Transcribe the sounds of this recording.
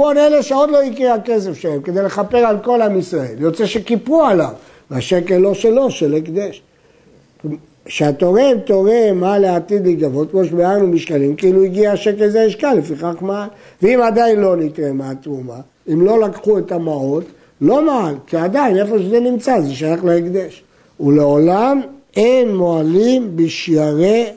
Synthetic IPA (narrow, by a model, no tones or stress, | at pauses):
boneleʃeo̞d̪lo̞ikihake̞s̬efʃelemke̞d̪ejle̞χape̞ʁalko̞lhamisʁaeljo̞t͡seʃekipuala̰v | vaʃekelːo̞ʃelo̞ʃelekd̪eʃ | ʃeat̪o̞ʁemt̪o̞ʁemaleat̪id̪liɡavo̞t̪̚kmoʃebeaʁnumiʃkalimkeiluiɡiaːʃekelzeaiʃkalːefiχaχmaal | veimad̪ainlo̞nit̪ʁemaat̪ʁuma | imlo̞lakχuet̪amao̞t̪ | lo̞maalkiad̪aine̞fo̞ʃezenimt͡sazeʃajaχleikd̪e̞ʃ | uleolam | enːoalimbiʃjaʁe